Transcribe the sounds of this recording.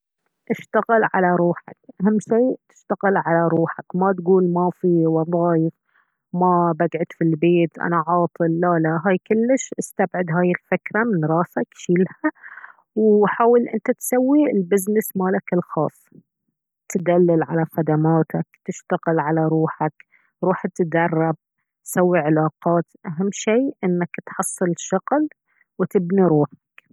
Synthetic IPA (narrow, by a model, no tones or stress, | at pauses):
ʔɪʃt̪aɣɪlʕa̰laɾuːħa̰kʔaɦamːʃiːt̪ɪ̥ʃt̪aɣɪlʕalaɾˤuːħakmat̪ɡuːlmafiwɑðˤɑːjɪf | mabaɡʕʊd̪filbeːt̪ʔa̰naʕɑːt̪ˤɨlːalaɦaːjkʊlːɪʃʔɪst̪abʕɪd̪ɦaːjɪlfɪkɾamɪnɾˤɑːsakʃiːlha | wħaːwɪlʔɪnt̪at̪sawːilbɪznɪsmalakɪlxɑ̰ːsˤː | t̪d̪alːɪlʕalaxad̪amaːt̪akt̪ɪʃt̪aɣɪlʕalaɾˤuːħak | ɾuːħt̪d̪ɑrˤːɑb̚ | t̪sawːiʕɪlɑːqɑːt̪ʔaɦamːʃiːʔɪnːakt̪ħɑsˤːɨlʃɑɣl | wɪt̪ɪbniɾuːħḁk